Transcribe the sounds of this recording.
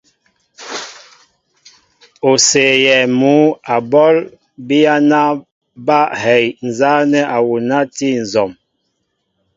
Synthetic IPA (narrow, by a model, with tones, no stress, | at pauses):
o˨se˨jɛ˨mu˨˦a˨bɔ˦l | bi˦ja˦na˦ | ba˦hɛ˨jn˨za˦nɛ˦ʔa˨wu˨na˦ti˦˨n˨zɔ˨m